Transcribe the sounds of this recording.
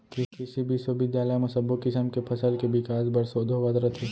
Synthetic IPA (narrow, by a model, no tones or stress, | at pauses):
kɪkɪsibʱisubɪd̪jaːləjemɐsəbʊkːɪsəmkepʰɐsəlkebɪkaːsbɐɾsoːd̪ʱoʋɐd̪ɾət̪ʰeː